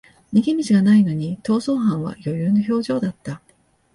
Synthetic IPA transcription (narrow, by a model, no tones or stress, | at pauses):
ɲ̟iɡʲimʲit͡ɕiɡanaino̞ɲ̟it̪o̞ːso̞ːɦãɰ̃βa̰jo̞jɯːno̞ço̞ːʑo̞ːd̪at̪ːa